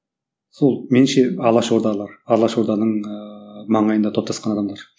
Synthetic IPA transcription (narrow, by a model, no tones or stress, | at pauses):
solˠmenɪmʃeɑlˠɑʃoɾd̪ɑlˠɑɾɑlˠɑʃoɾd̪ɑnəɴ | mɑɴɑjənd̪ɑt̪ʰop̚t̪ʰɑsqɑnɑd̪ɑmlˠɑɾ